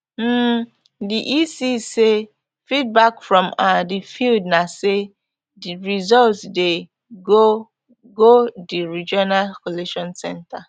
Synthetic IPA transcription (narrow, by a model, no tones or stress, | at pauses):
m̩ | diʔisise | fit̚bakfɹɔ̃madifildnase | dɹizɔltsde | ɡo | ɡodiɹid͡ʒɔnalkoleʃɔ̃nsɛ̃nta